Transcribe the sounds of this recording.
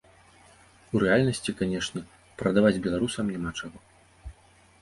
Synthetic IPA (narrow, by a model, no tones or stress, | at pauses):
uɾɛalʲnɐsʲt͡sʲikanʲɛʂnʲɛ | pɾɐd̪avad͡zʲbʲɛlˠaɾusɐmnʲamat͡ʂaɣɔ